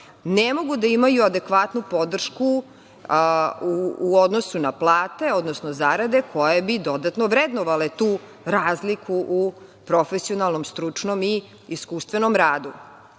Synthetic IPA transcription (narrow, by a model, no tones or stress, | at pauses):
nemo̞ɡud̪aimajuad̪ekʋat̪nupo̞d̪r̩ʃku | uːod̪nosunaplˠaːt̪e̞od̪nosnozaɾad̪e̞kʰo̞jebid̪o̞d̪at̪noʋɾed̪noʋalet̪uː | ɾaːzlikʰuʔupɾo̞fesio̞nalˠno̞mst̪ɾut͡ʂnomi | iskuːst̪ʋenomɾaːd̪u